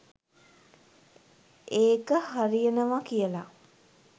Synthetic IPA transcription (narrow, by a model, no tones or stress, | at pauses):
eːkəharijənəʋakijəla